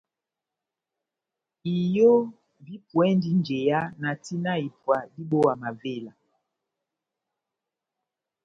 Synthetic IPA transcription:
i˨jo˦ | vi˦pwɛ˦ndi˦nd͡ʒe˨ja˦na˨ti˦na˦i˨pwa˨di˦ɓo˦wa˨ma˨ve˦˨la˨

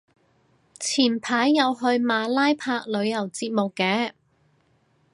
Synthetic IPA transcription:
t͡sʰiː˨˩npʰaː˨˥jːɐ˨˧wɦɵ˧ɥmaː˨˧laː˥jpʰaː˧k̚lɵ˨˧ɥjɐ˨˩wt͡siː˧t̚mo˨kːɛː˨˥

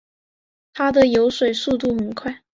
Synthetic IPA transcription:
t̪ʰa˥d̪ə˨jo˧˥ʊʂwe˨˩ɪsu˥˧t̪̬u˥˩xə˨˩nkʰwa˥˩ɪ

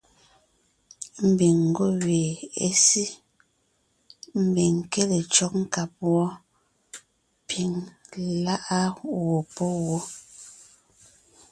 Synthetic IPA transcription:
m̩˨bi˨ŋŋ̩˨ɡo˦˨weː˨e˦si˦ | m̩˨bi˨ŋke˦le˨t͡ʃɔ˦k̚ŋ̩˦ka˨p̚wɔ˦ | pʰi˨˦ŋla˦ʔa˦wo˨pɔ˦wo˦

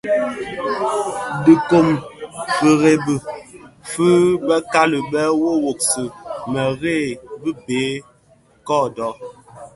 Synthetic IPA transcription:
di˨ko˦˨mfə˨ɣe˦bɨ˨fɨ˦bə˦ka˦lə˨bɛ˦wo˦wo˨k̚sɨ˨mɛ˨ɣe˦˨bi˦beː˨˦ | kɔ˦˨dɔ˦

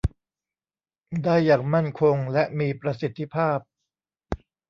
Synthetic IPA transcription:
daː˥˩jːaː˨˩k̚ma˥˩nkʰo˧ŋlɛ˦˥ʔmiː˧pɾa˧si˨˩t̪ʰːi˦˥pʰaː˥˩p̚

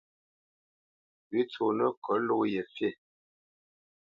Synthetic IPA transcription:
wi˦t͡so˨nə˦kʰə˨˦lo˦jɛ˨fje˦˨

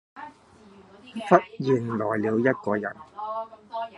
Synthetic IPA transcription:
fɐ˥t̚jiː˨˩ŋlɔː˨˩jliː˨˧wjɐ˥t̚kɔː˧jɐ̰˨˩n

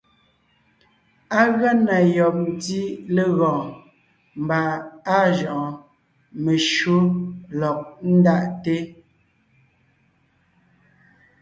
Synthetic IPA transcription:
a˦ɣa˦na˨jɔ˨p̚n˦di˦le˦ɣɔ̃ː˨ | m̩˨ba˨a˦ʒɔ˨ʔɔ˨ | me˨ʃo˦lɔ˨k̚n̩˦da˦˨ʔte˦

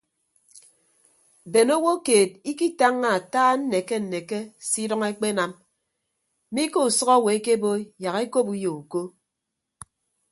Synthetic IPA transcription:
be˨no˦wo˦keː˨t̚i˦ki˦ta˦ŋːa˨a˨taː˦n̩˦ne˨ke˦n̩˨ne˨ke˦si˦dɔ˦ŋe˦k͡pe˦na˨m˦ | mi˦ko˦u˨sɔ˦ɣɔ˦˨we˨e˦ke˦bo˦ja˨ɣe˦ko˦pu˦jo˨u˨ko˦

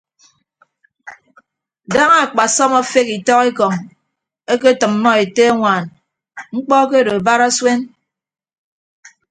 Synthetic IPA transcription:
da˦ŋa˨k͡pa˨sɔ˦ma˦fe˦ki˨tɔ˦ɣe˦kɔ˨ŋ | e˦ke˦tɨ˨mːɔ˦e˨te˦a˦ŋʷaː˨n | ŋ͡m̩˦k͡pɔ˦ke˦do˨ba˦ɾa˦swe˦n

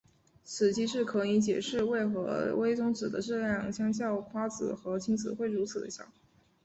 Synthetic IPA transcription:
t͡sʰɹ̩˨˩t͡ɕʰi˧˥ʂɻ̩˥˩kʰɤ˧˥i˧˥t͡ɕjɛ̰˨˩ʂɻ̩˥˧we˥˩ɪxɤ̰˧˥we˥ɪt͡sʊ˥ŋt͡sɹ̩˨˩d̪ə˦ʈ͡ʂɤ˥˧ljɑ˥˩ŋɕjɑ˥ŋɕjɑ˥˩ʊxwa˥t͡sɹ̩̰˨˩xɤ˧˥t͡ɕʰi˧˥ŋt͡sʰɹ̩˨˩xwe˥˩ɪɻu˧˥t͡sʰɹ̩˨˩d̪ə̰˧˦ɕjɑ̰˨˩˦ŋ˩

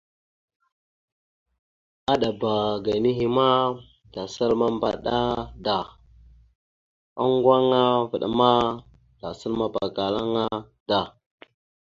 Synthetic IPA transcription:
a˦ɗa˨ba˨ɡa˨ni˦ɦi˦ma˦ | da˨sə˦lma˦mba̰˨ɗa˦da˨ | a˦ŋɡwa˦ŋa˦və˨ɗa˦ma˦ | d̥a˨sə˦lma˦ba˨ka˨la˦ŋa˦ | da˨

